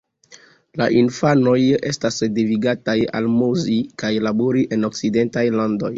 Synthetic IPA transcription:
laʔinfano̞je̞stasdiviɡataja̰lmuzikajlaboɾiʔe̞nok̚side̞ntajlando̞j

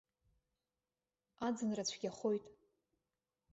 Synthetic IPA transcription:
ad͡zɨnrat͡ɕʷʰɡʲaχo̞jtʼ

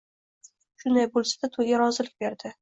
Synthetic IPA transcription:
ʃʊnd̪ajbolˠsad̪at̪ʰoaɾɒzɪlɪk̚ʲbe̞ɾd̪ɪ

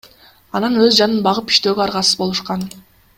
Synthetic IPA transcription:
ɑnɑnøzd͡ʒɑnɯnbɑʁɯpi̥ʃt̪ø̞ːɡøɑɾʁɑsɯ̥zbo̞lˠuʃqɑn

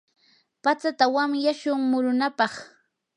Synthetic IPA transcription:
pat͡sat̪awamjaʃʊŋmʊɾʊnapɑχ

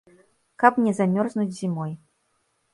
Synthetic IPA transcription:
kapnʲɛzamʲɔrznud͡zʲzʲimɔj

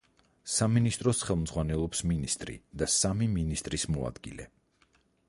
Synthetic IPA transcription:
saminist̪ʼɾɔsχɛlˠmd̪zʁwanɛlˠɔpsminist̪ʼɾḭd̪asamiminist̪ʼɾismɔa̰d̪̥ɡḭlɛ̰

